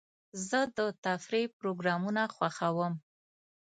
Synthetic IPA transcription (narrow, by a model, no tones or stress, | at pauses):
zəd̪ət̪afɾepɾoɡɾɑmunaxwaxawəm